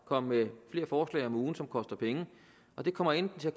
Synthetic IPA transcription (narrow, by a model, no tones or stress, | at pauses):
kʰɒ̽m̰mefle̝ːɐfɒːslɛ̰ɪɒ̽muːn̩sɒ̽mkʰɒ̽sd̥ɐpʰeŋə | ʔɒ̽d̥e̝kʰɒ̽m̰ɐend̥n̩t͡sʰe̝æ